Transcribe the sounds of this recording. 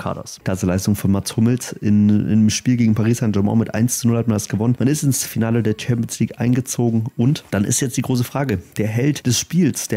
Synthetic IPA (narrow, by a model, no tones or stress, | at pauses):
kʰa̰ːdɔ̰skl̥asəlaɪstʊŋfɔnmashʊməlsɪnɪ̰nəmʃpiːlɡeːɡŋ̩pʰaʁiːsanʒɔmɔ̰̃mɪtʔa̰ɪnst͡sunʊlhatmandasɡ̥əvɔnənmanɪstɪnsfinaːlədeːɐt͡ʃʰɛmpiɔnsliːkʔa̰ɪnɡət͡soːɡŋ̩ʔʊntd̥anɪ̰stjɛt͡std̥iːɡʁoːs̬əfʁ̥aːɡəd̥eːɐɦɛltd̥ɛsʃpiːlsd̥eːɐ